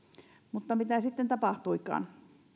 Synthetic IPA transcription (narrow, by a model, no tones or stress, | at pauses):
mut̪ːɑmit̪æsit̪ːent̪ɑpɑht̪uikˑɑ̰ːn